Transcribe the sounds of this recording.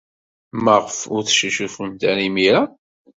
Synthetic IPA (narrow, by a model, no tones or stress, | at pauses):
məʁfʊɾθʃəʃufəmt̪æɾimiɾa